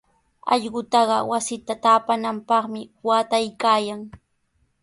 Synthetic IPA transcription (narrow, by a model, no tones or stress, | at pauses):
ɑ̰ʎɢʊt̪ɑɢɑwasɪt̪at̪aːpanampɑχmɪwaːt̪ajkaːjaŋ